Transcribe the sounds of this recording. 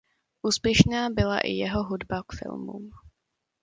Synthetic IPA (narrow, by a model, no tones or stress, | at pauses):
ʔuːspjɛʃnaːbɪla̰ʔɪ̰jɛɦoɦudbakfɪ̰lmṵːm